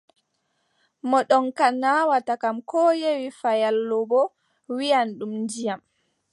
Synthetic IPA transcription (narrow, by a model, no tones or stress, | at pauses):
mɔɗɔnkanːawatakamkɔjewifajalːɔbɔ | wijanɗumnd͡ʒijam